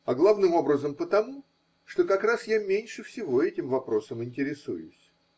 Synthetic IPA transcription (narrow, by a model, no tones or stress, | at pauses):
ɐɡlˠavnɨmo̞bɾəzəmpət̪ɐmu | ʂt̪o̞kɐkɾasjamʲenʲʂɨfsʲɪvo̞ɛtʲɪmvɐpɾo̞səmɪnʲtʲɪɾʲɪsṵjʊ̰sʲ